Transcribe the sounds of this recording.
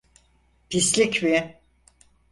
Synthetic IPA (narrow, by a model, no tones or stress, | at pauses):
pislʲikmi